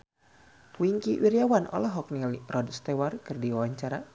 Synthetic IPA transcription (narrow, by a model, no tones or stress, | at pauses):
wiŋkiwiɾijawanɔ̰lɔɦɔk̚nilrɔdst̪ɛwarkɨrdiwawaɲt͡ʃaɾa